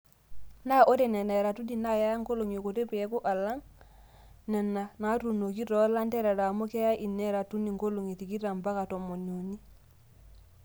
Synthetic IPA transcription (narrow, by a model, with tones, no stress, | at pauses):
na˦ʔo˦te˨ne˨ne˨ɾa˨tu˦di˨na˦ja˦ja˦ŋko˦lo˨ŋo˨ko˨te˦pe˨e˦ku˦ʔa˨la˦ŋ | nɛ˨nːa˨na˨˦tu˨no˨k̬i˦to˨˦la˦ntɛ˦ɾa˨ɾa˨mo˦ke˦ja˦ʔi˨nːe˦ɾa˨tu˦ni˨ŋko˦lo˨ŋi˨ti˨ki˦ta˨mba˦ka˨to˨mo˨no˨ni˦